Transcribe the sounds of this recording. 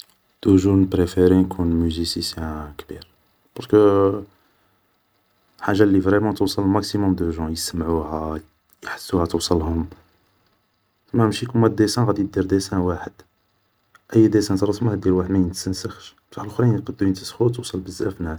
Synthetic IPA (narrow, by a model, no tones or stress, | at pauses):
d̪̥uʒunpɾefeɾenkʰunmyzisisjæ̃kbiɾ | pɑɾˤskə | ħaʒːalːivʁɛmɑ̃t̪əwsˤəlmæksimʊmd̪əʒɑ̃jəsəmʕuhæ | jħə̥sːuhæt̪owsˤəlhʊm | mæmʃikumæd̪esæ̃ɣæd̪ijd̪iɾd̪esæ̃waħəd̪̥ | ʔəjːd̪esæ̃nt̪ɾˤɑsmætd̪iɾwaħəd̪mæjnt̪sənsəxʃ | t̪ɑħlxɾiqəd̪ːunt̪əsxut̪uwsˤəlbəzːæfnæs